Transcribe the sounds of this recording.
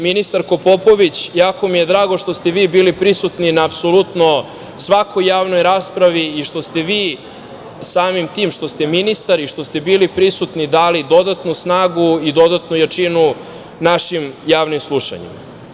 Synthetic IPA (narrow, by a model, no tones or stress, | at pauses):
minist̪aɾko̞po̞po̞ʋit͡ɕjaːko̞mije̞d̪ɾaːɡo̞ʃt̪ost̪eʋiːbiːlipɾisut̪ninaːpsolut̪no | sʋakʰo̞jːaːʋnojɾaːspɾaʋiiʃt̪o̞st̪e̞ʋiː | saːmimt̪iːmʃt̪o̞st̪e̞minist̪aɾiʃt̪ost̪e̞biːlipɾisut̪nid̪aːlid̪o̞d̪at̪nusnaːɡuid̪o̞d̪at̪nujat͡ʃinu | naʃimjaːʋnimslˠuʃa̰ɲḭm